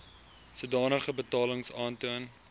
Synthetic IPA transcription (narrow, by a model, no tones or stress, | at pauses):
sudɑːnəχəbətɑːləŋsɑːntuən